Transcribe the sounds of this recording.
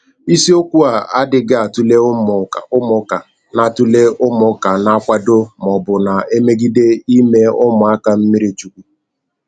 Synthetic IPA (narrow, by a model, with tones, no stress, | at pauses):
i˦si˦o˦kʷu˦a˨a˦dɪ˨ɡa˦a˨tu˦le˦m˨ʊ˦mʊ˨˦ka˨ | na˨tu˦le˦ʊ˦mʊ˦ka˨na˨˦kʷa˦do˦mɔ˨bʊ˨na˨e˦me˦ɡi˦de˦i˦me˦ʊ˦mʊ˨a˦ka˨m̩˦mi˦ɾi˨t͡ʃu˨kʷu˨